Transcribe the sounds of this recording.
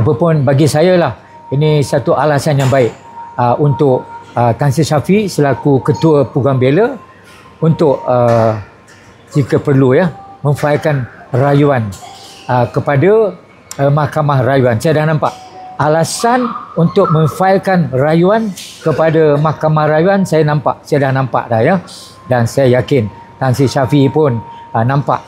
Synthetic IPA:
apapʊnbaɡisajalah | inĩsat̪uʔalasanjaŋbaɪʔ | əʔunt̪ʊʔət̪ansisafisəlakukət̪uəpuɡaŋbelə | unt̪ʊʔə | d͡ʒikəpərlujamə̃ŋfailkanrajuanəkəpada | əmahkamahrajuansajadahnãmpa̰ʔ | alasanunt̪ʊk̚mə̃ŋfaɪlkanrajuankəpadamahkamahrajuansajanãmpaʔsajadahnãmpa̰ʔlahja | dansajajakɪn | t̪aŋsisafipʊnənãmpa̰ʔ

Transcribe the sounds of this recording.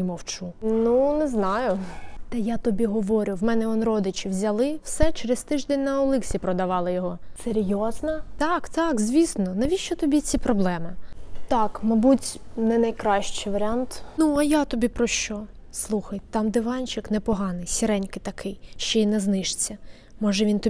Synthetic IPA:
mɔwt͡ʃununɛznɑjʊt̪ɐjat̪ɔbʲiɦɔʋɔɾʲʊwmɛnɛɔnrɔd̪ɪt͡ʃɪwzʲɐlˠɪw̥sɛt͡ʃeɾest̪ɪʒd̪enʲnɐɔlˠɪksʲipɾɔd̪ɐʋɑlˠɪjɔɦɔseɾʲjɔznɐt̪ɑkt̪ɑkzʲʋʲisnɔnɐʋʲiʃt͡ʃɔt̪ɔbʲit͡sʲipɾɔblˠɛmɪt̪ɑkmɐbutʲnɛnɐjkɾɑʃt͡ʃɪjʋɐɾʲɪant̪nuɐjat̪ɔbʲipɾɔʃt͡ʃɔ | slˠuxɐjt̪ɑmd̪ɪʋɑnʲt͡ʃɪknɛpɔɦɑnɪjsʲiɾɛnʲkɪt̪ɐkʰɪjʃt͡ʃɔinɛznɪʃt͡sʲːɐ | mɔʒɛʋʲint̪ɔ

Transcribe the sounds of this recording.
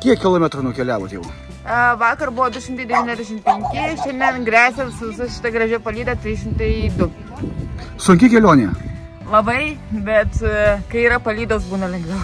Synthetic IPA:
kʲiɛkkʲɪlˠoːmʲɛt̪ɾonʊkʲɛlʲæːʋoːt̪jɛʊ | ʋɑːkɐrbʊʋoːd̪ʊʃʲɪmt̪ɐɪd̪ʲɛʋʲiːnʲɛzd̪ʲæʃʲɪmpʲɛŋʲkʲɪʃʲɛnʲd̪ʲɛnɡɾʲæːsʲɛsʋʲɪsɐʃʲɪ̥t̪ɐɡɾɐʒʲɛpɐlʲiːd̪ɐt̪ʲɾʲiːʃʲɪmt̪ɐɪd̪ʊ | sʊŋʲkʲɪkʲɛlʲoːnʲɛ̰ | lˠɐbɐɪbʲɛt̪kɐɪiːɾɐpɐlʲiːd̪oːsbuːnɐlʲɛŋɡʋʲɛʊ

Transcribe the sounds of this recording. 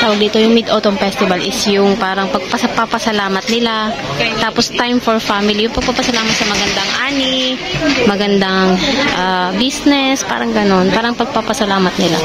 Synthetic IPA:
t̪aːwɐɡ̚d̪iːt̪o̞jʊŋmid̪ot̪omfɛst̪ɪbɐlʔɪsjʊŋpaːɾɐŋpɐɡ̚pɐspapɐsɐlaːmɐt̪̚nɪla | t̪aːpost̪ajmfoɹfamɪlijʊŋpɐɡ̚papɐsɐlaːmɐt̪̚sɐmɐɡɐnd̪ɐŋʔaːnɪ | mɐɡɐnd̪aŋʔabisnɛspa̰ːɾɐŋɡɐno̞npaːɾɐŋpɐɡ̚papɐsɐlaːmɐt̪̚nɪla̰

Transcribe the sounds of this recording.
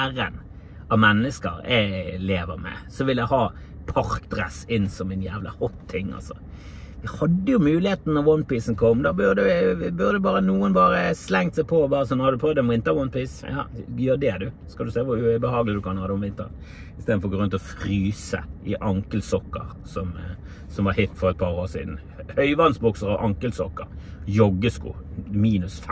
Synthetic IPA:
æɾə̰n | ɑʋmɛnːəskə̰ɾɛleːʋəɾmɛ̰sɔʋɪljæɪhɑː | pʰɑɾkd̪ɾɛ̰sɪnsɔmɛɪnjæːʋlɑ̰hɔt̪ʰːɪŋːɑ̰lsɔ̰ | ʋɪhɑd̪ːəjʊmʉːlɪheːt̪nənɔʁwɔnpiːsn̩kʰɔmːd̪ɑbøʁd̪ɛbʉʁd̪ɛbɑːɾənuːənbɑːɾəslɛŋt̪sɛɪpʰobɑːɾəsɔnhɑd̪ʉpʰɾɔːʋd̪ɛnʋɪnt̪əʋwɔnpiːsjɑ̰ːjøːd̪ɛd̪ʉ | skɑld̪ʉsɛːʋʊɾʉbəhɑːɡəlɪd̪ʉkʰɑnhɑːd̪ɛɔmʋɪnt̪əʁn | ɪst̪eːd̪̩fɔɾɔɡoʁɾʉnt̪ɔfɾyːsə̰ʔɪʔɑŋkəlsɔkːə̰ɾ | sɔm | sɔmʋɑɾhɪt̪ːfɔɾɛt̪̚pʰɑːɾoːsḭːd̪n̩ | hœʏʋɑnsbɔksəɾɑʋʔɑŋkəlsɔkːə̰ɾjɔɡːəskṵːmiːnʉsf

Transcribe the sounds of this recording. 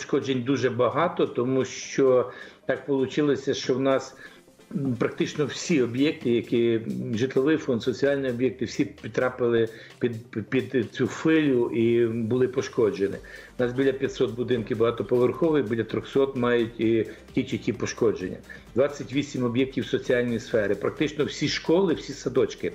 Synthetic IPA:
ʃkɔd͡ʒenʲd̪uʒɛbɐɦɑt̪ɔt̪ɔmuʃt͡ʃɔt̪ɑk̚pɔlˠʊt͡ʃɪlˠɔsʲɐʃt͡ʃɔwnɑs | pɾɐk̚t̪ɪt͡ʃnɔwsʲiɔbjɛk̚t̪ɪjɐkiʒɪt̪lˠɔʋɪjfɔnd̪sɔt͡sʲiɑlʲnʲiɔbʲjɛk̚t̪ɪwsʲipʲit̪ːɾɑpɪlˠɪ | pʲid̪pʲid̪t͡sʲufɪlʲʊʔibʊlˠɪpɔʃkɔd͡ʒenɪ̰ | nɑsbʲilʲɐpʲjɐt̪ʲsɔt̪̚bʊd̪ɪnkɪbɐɦɑt̪ɔpɔʋerxɔʋojibʲilʲːɐt̪ɾɔxsɔt̪mɑjʊtʲ | tʲit͡ʃitʲipɔʃkɔd͡ʒenʲːɐ̰ | d̪ʋɑt͡sʲːɐtʲʋʲisʲimɔbʲjɛk̚tʲiwsɔt͡sʲiɑlʲnʲijsfɛɾɪpɾɐk̚t̪ɪt͡ʃnɔwsʲiʃkɔlˠɪwsʲisɐd̪ɔt͡ʃkɪ

